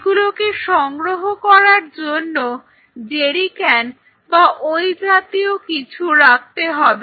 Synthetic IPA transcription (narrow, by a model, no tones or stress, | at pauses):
ɡulokeʃɔŋɡɾoɦokɔɾaɾd͡ʑonːo | d͡ʑeɾikɛn | baʔojd͡ʑat̪iokit͡ɕʰuɾak̚t̪eɦɔbe